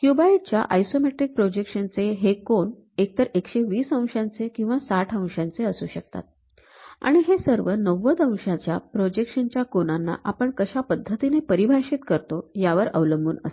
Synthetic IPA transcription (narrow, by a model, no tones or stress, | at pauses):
kjubait͡ɕja̰ʔajsomeʈɾik̚pɾod͡ʑekʂənt͡seɦekoɳ | ek̚t̪əɾekɕeʋiːsə̃w̃ɕãnt͡sekĩw̃ʋasaʈʰə̃w̃ʂãnt͡seəsuːɕək̚t̪a̰t̪̚ | a̰ɽ̃iɦesəɾʋənəʋət̪ə̃w̃ʂãt͡ɕjapɾod͡ʑekʂənt͡ɕjakonanːa̰ʔapəɳkəɕapəd̪ʱːət̪inepəɾibʱaɕit̪kəɾt̪ojaʋəɾə̰ʋləmbuːnə̰s